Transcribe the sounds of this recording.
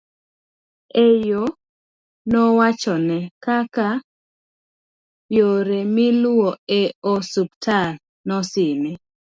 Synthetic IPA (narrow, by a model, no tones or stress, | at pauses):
ejo | nɔwat͡ʃɔnɛkaka | joɾemilʊwɔeɔsuptʰal | nɔsɪme